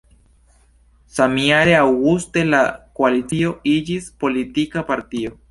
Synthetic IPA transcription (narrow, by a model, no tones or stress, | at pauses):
samiaɾeawɣust̪elakoalit͡sio̞id͡ʒispo̞lit̪ikapaɾt̪io